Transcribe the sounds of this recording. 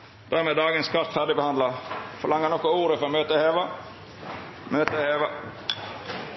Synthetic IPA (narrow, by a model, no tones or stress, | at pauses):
d̪̥æːɾmeːd̪ɑːɡənskʰɑɾt̪fæɖɪbəhɑnlɑfɔlɑŋːənɔkːɔuːɾəfɔɾɔmøːt̪əheːʋɑ | møːt̪əheːʋɑ